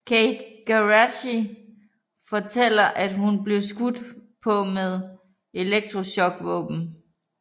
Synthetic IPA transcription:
kʰeɪd̥ɡ̥æʁæɕi | fɒ̽t͡sʰel̰ɐʔæd̥ɦunble̝ʊsɡ̥ud̥pʰɒ̽meðˠ | e̝leɡ̥̚d̥ʁoɕɒ̽ɡ̥ʋɔ̰̽ːb̥n̩

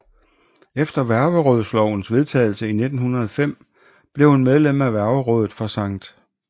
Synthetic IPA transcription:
efd̥ɐʋæɐʋəʁɔð̞̰ˠslɒʊ̰n̩sʋe̝ðˠt͡sʰɛ̰ːɪlsəine̝d̥n̩hunʁɐðˠɒ̽fem̰ | b̥le̝ʊhunmeðˠlem̰æʋæɐʋəʁɔːð̞ˠð̩ˠfɒ̽sɑ̈ŋ̰d̥

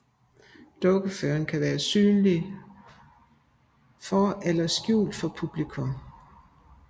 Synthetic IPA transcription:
d̥ɔ̽ɡ̥əføːɐnkʰæʋæːɐsyːnli | fɒʔelɐsɡ̥jṵːld̥fɒ̽pʰub̥likʰɔ̽m

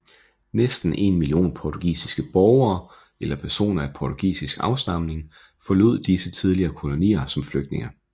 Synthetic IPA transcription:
nesd̥n̩ʔe̝̰nmilio̝̰ːnpʰɒt͡sʰuɡ̥ḭːsisɡ̥əb̥ɒʊɐː | elɐpʰæɐso̝̰ːnɐæpʰɒːt͡sʰuɡ̥ḭːsisɡ̥ɑ̈ʊsd̥ɑ̈mne̝ŋ | fɒ̽lo̝ð̞̰ˠd̥isət͡sʰið̞ˠliɐːkʰo̝lo̝nḭːɐsɒ̽mfløɡ̥̚d̥ne̝ŋɐ

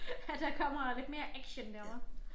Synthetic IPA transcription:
æd̥ɑkʰɒ̽m̰ɐle̝d̥me̝ːɐʔæɡ̥ɕəndæmɐ

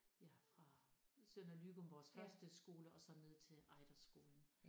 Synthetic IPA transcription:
jæfʁɑ̈sønælyɡ̥omʋɒːsfɶɐsd̥əsɡ̥o̝ːləɒ̽sɒ̽ne̝ð̰ˠt͡sʰe̝ʔɑ̈ɪd̥ɐsɡ̥o̝ːln̩

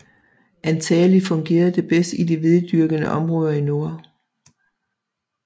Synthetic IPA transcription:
ʔænt͡sʰɛːlifɔ̽ŋɡ̥e̝̰ːɐðˠd̥e̝b̥esd̥id̥iʋe̝ðˠd̥yɐɡ̥ənəʔɒ̽mʁɔ̽ːð̞ˠɐino̝ɐ̰

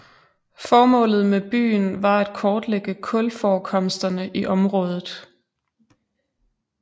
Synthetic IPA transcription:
fɒːmɔ̰̽ːlð̞̩ˠmeb̥y̰ːnʋɑ̈æd̥̚kʰɒːd̥leɡ̥əkʰɔ̽lfɒːkʰɒ̽msd̥ɐnəʔiʔɒ̽mʁɔ̽ːð̞ˠð̩ˠ

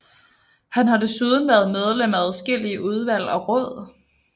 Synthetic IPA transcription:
hænɦɑ̈de̝suðˠn̩ʋæɐð̩ˠmeð̞ˠlem̰æðˠsɡ̥el̰iəʔuð̞ˠʋæl̰ɒ̽ʁɔ̽ð̞̰ˠ

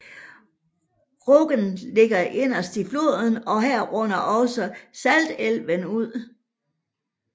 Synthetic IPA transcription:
ʁɔɡ̥ənle̝ɡ̥ɐʔe̝n̰ɐsd̥iflo̝ð̰ˠən̩ɒ̽ɦæɐ̰ʁɔ̽nɐʔɒ̽səsæld̥elʋənuð̞̰ˠ

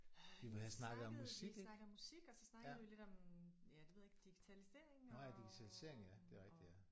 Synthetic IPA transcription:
ʋiʋehæsnɑ̈ɡ̥ð̩ˠɒ̽mːusiɡ̥nɡ̥̩ˠɒmːusiɡ̥ɒsɒ̽snɑ̈ɡðˠiole̝d̥ɒ̽mjæd̥eʋe̝ðˠeɡ̥d̥iɡ̥i̥t͡sʰælise̝ɐ̰eŋad̥iɡ̥it͡sʰælise̝ɐ̰e̝ŋ̩jæd̥e̝ʁɛɡ̥̚d̥ijæ

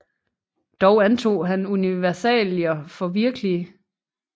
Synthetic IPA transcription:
d̥ɒʊænt͡sʰo̝̰ːɦænuniʋæɐsɛ̰ljɐfɒ̽ʋiɐɡ̥əliə

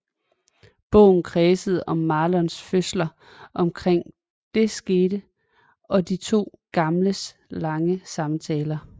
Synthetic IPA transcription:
b̥ɔ̰̽ʊ̰n̩kʰʁɛːsəð̞̩ˠɒ̽mːɑ̈ːlɒnsføslɐ | ʔɒ̽mkʰʁeŋ̰ | d̥e̝sɡ̥e̝ːɾ̥ə | ɒ̽d̥it͡sʰo̝̰ːɡ̥ɑ̈mləs | lɑ̈ŋəsɑ̈mt͡sʰɛːlɐ

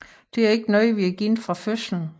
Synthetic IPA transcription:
d̥e̝æɐe̝ɡ̥ənɒðʋiæɡ̥infʁɑ̈føsln̩

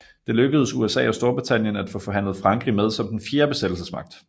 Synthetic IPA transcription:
d̥e̝løɡ̥əð̞̩ˠsuesɛ̰ːɒ̽sd̥o̝ɐb̥ʁit͡sʰæn̰jənæd̥fɔ̰̽ːfɒ̽ɦæn̰lð̩ˠfʁɑ̈ŋɡ̥ʁimeð̞ˠsɒ̽md̥enfje̝ːɐb̥e̝sed̥l̩səsmɑ̈ɡ̥̚d̥

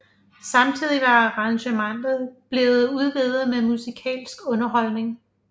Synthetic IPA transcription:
sɑ̈mt͡sʰið̞̰ˠiʋɑ̈ʁɑ̈ŋɕəmɑ̈ŋ̰ð̩ˠb̥le̝ːð̩ˠuðˠʋeðˠð̩ˠmemusikʰɛ̰ːlsɡ̥ɔ̽nɐɦɒ̽lne̝ŋ

